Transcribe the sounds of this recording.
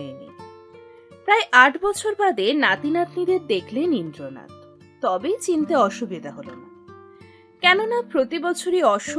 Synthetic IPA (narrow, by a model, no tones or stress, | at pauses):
enḭ | pɾaeʔaʈʰbɔt͡ɕʰoɾbad̪enat̪inat̪nid̪eɾd̪ekʰlenind̪ɾona̰t̪ | t̪ɔbet͡ɕint̪eɔʃubid̪ʱaɦolona̰ | kɛnonapɾot̪ibɔt͡ɕʰoɾiɔʃu